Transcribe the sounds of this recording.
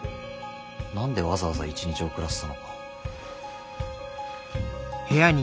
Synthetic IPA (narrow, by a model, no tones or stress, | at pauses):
nãnd̪e̞βazaβaza̰it͡ɕiɲ̟it͡ɕio̞kɯ̟ɾasɨ̥ano̞kḁ | he̞jaɲ̟